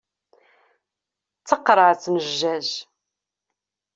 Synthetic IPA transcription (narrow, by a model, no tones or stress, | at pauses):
t͡sːəqːɾˤəʕt͡sːməʒːæʒ